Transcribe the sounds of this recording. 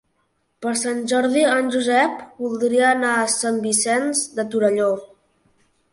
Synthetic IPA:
pəɾsanʲʒɔɾðianʲʒuzɛpbulˠd̪ɾiəːnaəsambisɛnzd̪ət̪uɾəʎo

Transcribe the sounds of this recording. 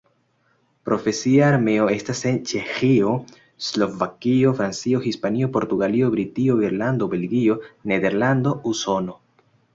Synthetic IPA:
pɾo̞fe̞siaːɾme̞oe̞stase̞nt͡ʃe̞xio̞ | slo̞vakio̞fɾant͡sio̞xispanio̞po̞ɾt̪uɡalio̞bɾitio̞iɾland̪o̞be̞lɡio̞ne̞d̪e̞ɾland̪o̞uso̞no̞

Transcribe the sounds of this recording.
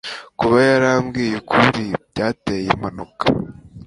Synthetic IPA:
kuβajaɾamɡiːjekʰuɾibɟaːtejemanokḁ

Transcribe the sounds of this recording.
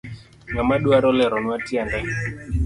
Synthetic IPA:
ŋamaɗuaɾɔlɛɾɔnwatiandɛ

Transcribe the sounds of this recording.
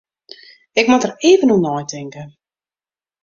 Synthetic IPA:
ɪkmɔtəreːvənunɔjtʰɪŋkə

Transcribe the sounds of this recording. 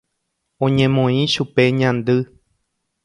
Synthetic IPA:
õɲẽmõĩʃupe̞ɲãnd̪ɨ

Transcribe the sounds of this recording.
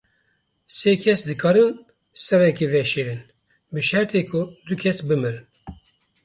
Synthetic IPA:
seːkʰɛsd̪ɨkʰɑːɾɨn | sɨrɛkevɛʃeːɾɨn | bɨʃɛɾt̪ʰeːkʰʊd̪ukʰɛsbɨmɨɾɨn

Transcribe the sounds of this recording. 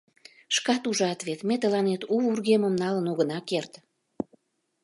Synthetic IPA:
ʃkɑt̪uʒɑt̪vet̪met̪əlɑnet̪uβurɣeməmnɑlənoɣənɑkert̪

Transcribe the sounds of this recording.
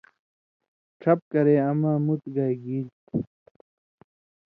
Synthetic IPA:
ʈ͡ʂʰɐp̚kɐɾeːɐmaːmut̪ɡajɡiːlt̪

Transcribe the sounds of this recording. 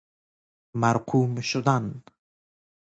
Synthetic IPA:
maɾqʰumʃʊd̪an

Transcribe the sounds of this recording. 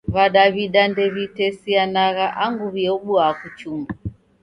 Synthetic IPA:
βaɗaβiɗandɛβitɛsianaɣaʔaŋɡuβiɛuɓuakut͡ʃumba

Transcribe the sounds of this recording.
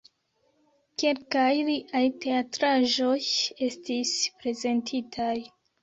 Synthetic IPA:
ke̞lkajɾiʔajte̞atɾaʒo̞je̞stispɾe̞ze̞ntʰitʰaj

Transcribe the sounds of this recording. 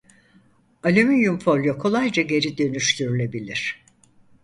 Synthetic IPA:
alʲemijumfo̞lʲjokʰo̞lˠajd͡ʒaɟe̞ɾid̪ø̞nyʃt̪ʰyɾylʲe̞bilʲiɾ̥

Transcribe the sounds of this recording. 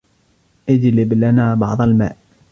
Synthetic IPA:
ʔɪd͡ʒlɪblanaːbɑʕd̪ˤɑlma̰ːʔ

